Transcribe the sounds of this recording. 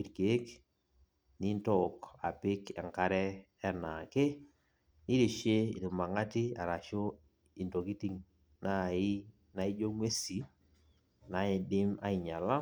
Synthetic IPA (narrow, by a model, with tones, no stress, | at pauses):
i˨ɾke˨˦k | ni˦ntɔ˦˨ka̰˨pɪ˦kɛ˨ŋka˦ɾɛ˦ | ɛ˦na˨ke˦ | ni˦ɾe˨ʃe˦ɪ˨ɾɪ˨ma˨ŋa˦ti˦a˨ɾa˨ʃo˦ | i˨nto˨ki˦ti˦ŋ | na˦˨ɪ˦ | na˨i˦d͡ʒo˦ŋwe˦si˨ | na˨ɪ˨dɪ˦ma̰˦i˨ɲa˨la˦